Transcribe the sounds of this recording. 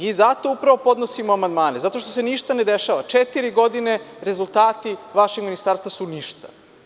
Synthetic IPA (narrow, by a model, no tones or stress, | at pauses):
izat̪o̞upɾaʋo̞po̞d̪nosimoamand̪maːnezat̪o̞ʃt̪o̞seniʃt̪aned̪eʃaːʋat͡ʃet̪iɾiɡo̞d̪ine̞ɾe̞zulˠt̪aːt̪iʋaʃeɡminist̪aɾst̪vasuniʃt̪a̰